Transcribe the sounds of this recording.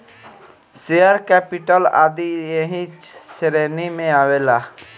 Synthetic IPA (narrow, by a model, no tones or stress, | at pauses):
seəɾkɛːpiʈəla̰ːd̪ieɦĩsɾeːnimẽaːʋelaː